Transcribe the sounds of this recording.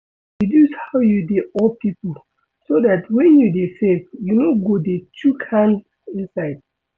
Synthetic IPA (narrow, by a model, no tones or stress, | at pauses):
didushawjudeɔpipo | sodatwɛ̃njudefɛvjunoɡodet͡ʃukãn | ĩnsaɪd̚